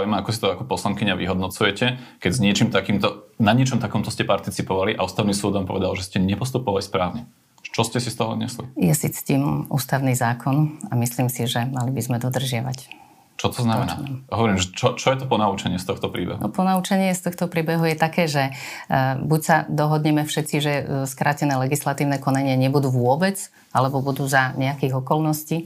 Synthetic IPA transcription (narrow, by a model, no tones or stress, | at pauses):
jɛmaakɔsi̥t̪ɔakɔpɔslaŋkiɲaʋḭɦɔd̪nɔt͡sujɛcɛkɛɟzɲɪɛt͡ʃiːmt̪akiːmt̪ɔnaɲɪɛt͡ʃɔmt̪akɔmt̪ɔscɛpaɾt̪it͡sipɔʋaliʔauːst̪aʊniːsuːd̪ʋaːmpɔʋɛd̪alʒɛscɛɲɛpɔst̪upɔʋalispɾaːʊɲɛ̥ | t͡ʃɔscɛsist̪ɔɦɔɲɛslḭjɛsit͡st̪iːmṵːst̪aʊniːzaːkʰɔnamisliːmsiʒɛmalibizmɛd̪ɔd̪r̩ʒɪaʋac | t͡ʃɔt̪ɔznammɛna̰ɦɔʋɔɾimʒɛt͡ʃɔt͡ʃɔjɛt̪ɔpɔnaut͡ʃɛɲɪɛst̪ɔxt̪ɔpɾiːbɛ̰ɦunɔ̰pɔnauːt͡ʃɛɲɪɛst̪ɔxt̪ɔpɾiːbɛɦujɛt̪akɛːʒɛ | bucsad̪ɔɦɔd̪ɲɛmɛfʃɛt̪t͡siʒɛskɾʔaːcɛnɛːlɛɡislat̪iːʊnɛːkɔnaɲɪaɲɛbud̪uːʋʊɔbɛt͡s | alɛbɔbud̪uːzaɲɛakiːɣɔkɔlnɔsciː